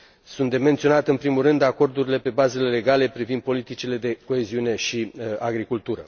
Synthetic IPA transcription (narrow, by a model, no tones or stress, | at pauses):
sunt̪d̪e̞me̞nt̪sio̞nat̪ɨnpɾimulrɨnd̪ako̞rd̪uɾile̞pe̞baze̞le̞le̞ɡale̞pɾivind̪̚po̞lit̪it͡ʃile̞d̪e̞ko̞e̞ziune̞ʃiaɡɾikult̪uɾə